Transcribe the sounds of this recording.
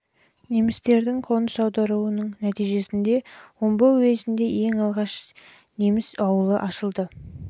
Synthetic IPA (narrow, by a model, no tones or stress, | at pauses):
ne̞mɪst̪e̞ɾd̪ɪŋqʰo̞nəsɑwd̪ɑɾuənəɴnæt̪ijʒe̞sɪnd̪e̞wombəezɪnd̪e̞je̞ŋɑlˠʁɑʃ | ne̞mɪsɑwəlˠəʔɑʃəlˠd̪ə